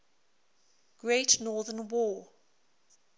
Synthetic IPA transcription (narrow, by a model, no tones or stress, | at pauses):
ɡ̥ɹetnɔːðənwɔː